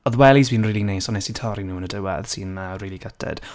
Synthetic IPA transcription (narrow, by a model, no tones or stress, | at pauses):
ɔðwɛlˠizbĩnriːlineːsɔnɛsitʰɔɾinuːənədəwa̰ðsiːnmariːlˠiɡətʰɛ̰d̥